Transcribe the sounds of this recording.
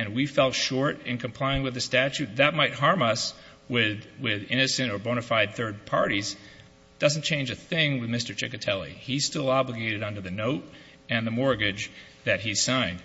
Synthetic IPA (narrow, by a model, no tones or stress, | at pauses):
ɨ̃nwifɛlˠtʃɔɹɾɨ̰̃nkʰɨ̃m̩pʰl̥aɪɪ̃ŋwɨðɨstæt͡ʃʉt̪̚ðɨt̚maɪt̚ɦɑɹmʌs | wɪðwɪðɪ̃nɨsɨ̃ntə˞bõʊɾ̃ɨfaɪd̪̚θɜ˞d̚pʰɑ̰ɹɾiz | d̥ʌzn̩t͡ʃʰẽɪ̃nd͡ʒɨθɪ̃ŋwɨðmɪstə˞t͡ʃʰɪ̰kɨtʰɛlˠḭiz̥stɪlˠɑbləɡeɪɾɨɾʌ̃ndə˞ðɨnoʊɾ | ɨ̃nðɨmɔɹɡɪd͡ʒ | ðɨt̚ɦiz̥sãɪ̃nd̥